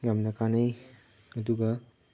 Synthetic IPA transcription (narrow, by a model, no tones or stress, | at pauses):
jamnɐkanej | ɐduɡɐ